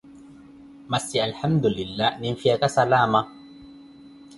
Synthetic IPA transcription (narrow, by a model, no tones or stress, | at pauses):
masialħamd̪ulɪlːaːhninfiakasalaːma